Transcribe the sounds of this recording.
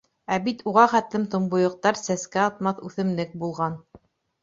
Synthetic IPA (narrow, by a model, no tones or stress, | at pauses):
æbit̪uʁɑχæt̪lɘmt̪ŏmbŏjŏq̚t̪ɑɾsæskæɑt̪mɑθʉθɘ̆mlɘk̚bulˠʁɑn